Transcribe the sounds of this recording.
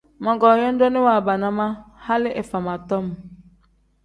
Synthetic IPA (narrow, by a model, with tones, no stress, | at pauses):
mɔ˨ɡɔ˨jɔ˦n̩˦dɔ˦nɪ˦wa˨ba˨na˦ma˦ha˦lɪ˦ʔɛ˨fa˨ma˨tɔ˦m˨